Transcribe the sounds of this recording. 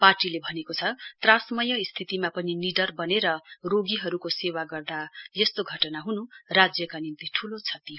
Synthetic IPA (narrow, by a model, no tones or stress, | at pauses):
parʈilebʱʌnekot͡sʰʌt̪rãsmʌjʌist̪ʰit̪imapʌniniɖʌrbʌneɾʌroɡiɦʌɾukosewaɡʌrd̪ajʌst̪oɡʱʌʈʌnaɦunurad͡zjʌkanint̪iʈʰulot͡sʰʌt̪i